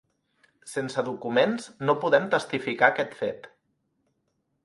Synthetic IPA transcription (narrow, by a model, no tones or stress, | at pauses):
sensəðukumenznopuðɛmt̪əst̪ifikaəkɛt̪fet̪